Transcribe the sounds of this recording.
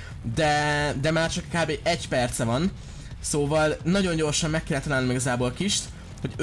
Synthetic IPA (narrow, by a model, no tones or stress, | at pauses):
d̪ɛd̪ɛmaːrt͡ʃɒkkaːbeːʔɛɟpɛrt̪sɛvɒn | soːvɒlnɒɟo̞ɲɟo̞rʃɒmːɛkːɛlːɛt̪ɒlaːlnimiɡɒzaːboːlkiʃt̪ | ho̞ɟ